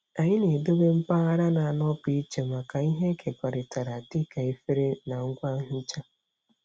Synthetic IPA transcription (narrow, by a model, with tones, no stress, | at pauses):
a˨ɲɪ˦ne˨do˦be˦m̩˦pa˦a˦ɾa˦na˨a˨nɔ˦pi˦i˦t͡ʃe˨ma˨ka˨i˦ɦe˦kʰe˨kʷa˨ɾɪ˨ta˨ɾa˨tɪ˦ka˨e˦fe˦ɾe˦na˨ŋ̩˦ɡʷa˦ɦʊ˦t͡ʃa˦